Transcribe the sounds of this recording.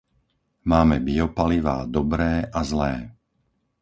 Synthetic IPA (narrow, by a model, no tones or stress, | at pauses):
maːmɛbiɔpaliʋa̰ːd̪ɔbɾɛːʔazlɛː